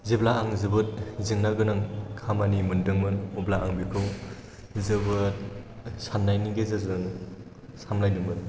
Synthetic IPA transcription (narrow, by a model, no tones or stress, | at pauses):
zɯblaːŋzɯbɯt̚zɯŋnaɡɯnɯŋkʰamanimɯndɯŋmɯnublaaŋbikʰɯw | zɯbɯt̚sanːajniɡezɯzɯŋ | samlajdɯŋmɯn